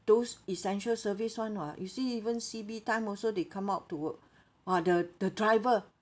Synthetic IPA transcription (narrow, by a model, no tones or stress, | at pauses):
d̥osisɛ̃nʃəlsəviswãnajusiivə̃nsibitãɪ̃mɔlsodekʰãmaʊttːuwək̚ | adəd̥ədɹaɪvə